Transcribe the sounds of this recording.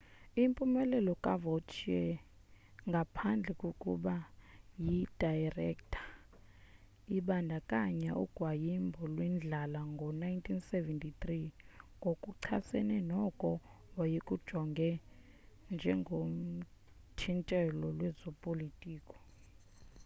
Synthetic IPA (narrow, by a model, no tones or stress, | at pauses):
impʼumɛlɛlɔkʼavot͡ʃʰiɛ | ŋɡʱapʰand͡ɮʱɛkʼokʼṵɓajid̥ʱajrɛ̰ktʰḁ | iɓandʱakʼaɲaʔuɡ̥ʱwajimbʱɔlwind͡ɮʱalaŋɡʱɔnaintʰʼinsɛvɛntʰʼit̪riŋɡʱokʼuǀʰasɛ̰nɛnɔkʼɔ | wajikʼud̥ʒ̥ʱɔŋɡʱɛ | nd͡ʒʱɛŋɡʱom̩ | tʰintʼɛlɔlwɛzɔpʼolitʼiːkʼɔ̥